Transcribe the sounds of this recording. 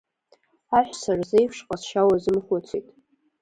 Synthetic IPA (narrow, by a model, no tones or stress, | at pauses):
aħʷᶣsarzejfʂqʼasʃawazɨmχʷat͡sʷʰejtʼ